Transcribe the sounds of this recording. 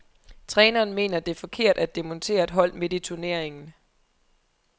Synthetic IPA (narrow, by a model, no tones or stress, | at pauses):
t͡sʰʁɛːnɐːnme̝̰ːnɐd̥e̝æɐfɒ̽kʰe̝ɐ̰d̥æd̥emɔnt͡sʰe̝̰ːɐed̥ɦɒ̽l̰me̝d̥it͡sʰuɐne̝ɐ̰eŋn̩